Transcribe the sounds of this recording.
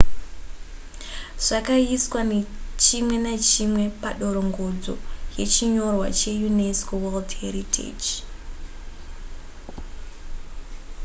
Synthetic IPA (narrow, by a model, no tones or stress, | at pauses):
ʐ̥akaiswanet͡ʃimwe̞nat͡ʃimwe̞paɗo̞ɾo̞ŋɡo̞d͡zo̞̰je̞t͡ʃiɲo̞rwa̰t͡ʃe̞juneskoweldheɾitʰḛd͡ʒ